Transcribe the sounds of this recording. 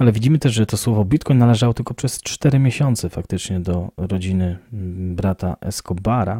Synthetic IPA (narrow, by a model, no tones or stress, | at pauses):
alɛvʲid͡ʑimɘt̪ɛʐʐɛt̪ɔswɔvɔbʲit̪kɔjɲnalɛʐawɔt̪ɘlkɔpʂɛst͡ʂt̪ɛɾɘmʲjeɕɔnt̪sɛfakt̪ɘt͡ʂɲɛd̪ɔɾɔd͡ʑinɘbɾat̪a̰ʔɛ̰skɔbaɾa